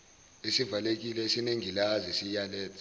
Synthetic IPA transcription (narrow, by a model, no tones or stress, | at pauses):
esivalek̬ilɛesineŋilazisijalɛːtʼ